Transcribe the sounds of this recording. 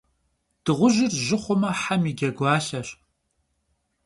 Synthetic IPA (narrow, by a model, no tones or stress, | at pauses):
d̥ɨʁʷʊʒɪrʒɪχʷʊmɐħamiːɡʲɐɡʷɑːɬɐɕ